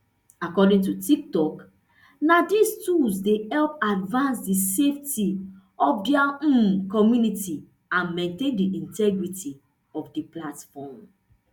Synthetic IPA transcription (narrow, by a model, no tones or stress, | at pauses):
akɔdĩŋtutik̚tɔk | nadistusdehɛlp̚advãnsdisefti | ɔfdɛãkɔmjuniti | ãnmẽntẽndiʔĩntɛɡɹiti | ɔfdiplatfɔm